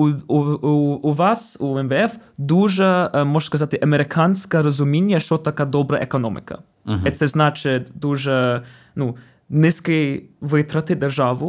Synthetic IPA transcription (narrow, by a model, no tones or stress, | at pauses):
vasuɛmvəɛfd̪uʒəmɔʒskɐzat̪ʲɪʔɐmʲɛɾɪkʰanskəəɾɐzʊmʲenʲɪjəʂt̪ot̪ɐkad̪ɔbɾəjʔɛkɐnɔmʲɪ̰kʰɐ̰ | ɛt̪əznat͡ʃɪt̪d̪uʒə | nu | nʲɪskəjvɨt̪ɾɐt̪ɨd̪ɛɾʒavʊ